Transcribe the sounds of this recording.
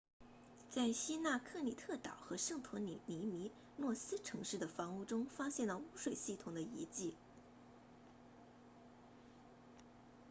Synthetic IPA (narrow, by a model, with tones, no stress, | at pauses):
t͡sa˥˩ɪɕi˥na˥˧kʰɤ˥˩li˨˩t̪ʰɤ˥˩t̪ɑ˨˩ʊxɤ˧˥ʂɤ˥˩ŋt̪ʰu˧˥˧ni˧˥mi˧˥ | nwɔ˥˩sɹ̩˥ʈ͡ʂʰɤ˧˥ŋʂɻ̩˥˩d̪ə˩fɑ˧˥ŋu˥˩ʈ͡ʂʊ˥ŋfa˥ɕjɛ˥˧˩nlə˩u˥ʂwe˨˩ɪɕi˥˩t̪ʰʊ˨˩ŋd̪ə˦i˧˥t͡ɕi˥˩